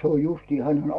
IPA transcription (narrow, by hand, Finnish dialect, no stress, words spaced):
se oj justiː hænen